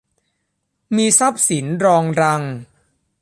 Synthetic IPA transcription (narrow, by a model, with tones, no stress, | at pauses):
miː˧sa˦˥˩p̚si˩˦nɾɔː˧ŋɾa˧ŋ